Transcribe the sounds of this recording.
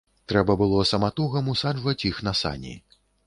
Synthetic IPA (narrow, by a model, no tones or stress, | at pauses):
t̪ɾɛbɐbɨlˠɔsɐmat̪uɣɐmusaʐvɐt͡sʲixnɐsa̰nʲḭ